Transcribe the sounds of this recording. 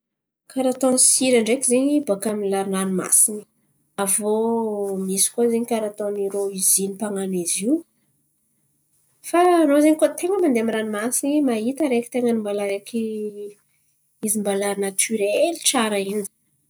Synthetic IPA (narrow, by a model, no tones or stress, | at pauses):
kaɾat̪onisiɾaɳɖ͡ʐekizeɲibakamilaɾinanima̰sini̥ | avomisi̥kuazeɲikaɾat̪oniɾoizinipaŋaniziw | fanozeɲikot̪eŋəmand̪eamiɾanimasinimaɦit̪əɾeki̥t̪eŋənimbalaɾeki | izimbalaɾnat̪ʰyɾeliʈ͡ʂaɾaini̥